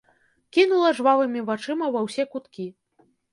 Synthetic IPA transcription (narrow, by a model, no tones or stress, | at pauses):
kʲinulˠɐʐvavɨmʲivat͡ʂɨmɐvɐwsʲɛkut̪kʲi